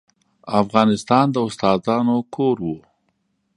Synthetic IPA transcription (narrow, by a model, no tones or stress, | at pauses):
afɣɑnɪst̪ɑnd̪əʊst̪ɑd̪ɑnokʰoɾwu